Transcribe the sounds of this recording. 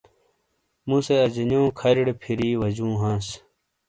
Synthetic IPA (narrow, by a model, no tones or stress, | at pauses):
mũseɐd͡ʑinjõːkʰɐɾiɽpʰiɾiːwɐd͡ʑũːɦãːs